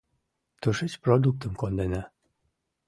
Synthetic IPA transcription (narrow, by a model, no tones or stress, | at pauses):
t̪əʃet͡ɕprod̪uk̚t̪əmkond̪ena